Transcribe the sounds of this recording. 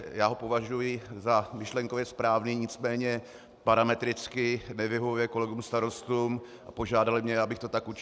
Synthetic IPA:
jaːɦo̞po̞vaʒujɪzamɪʃlɛŋkovjɛspɾaːvniːɲɪt͡smɛːɲɛ | paɾamɛt̪ɾɪt͡skɪnɛvɪɦovujɛko̞lɛɡumst̪aɾost̪uːm | ʔapo̞ʒaːdalɪmɲɛabɪxt̪o̞t̪akut͡ʃ

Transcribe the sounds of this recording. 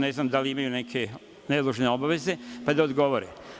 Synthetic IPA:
ne̞znamd̪aliimajunekʰe̞ | ned̪lˠuʒne̞o̞baʋe̞ze̞pad̪aod̪ɡo̞ʋoɾe

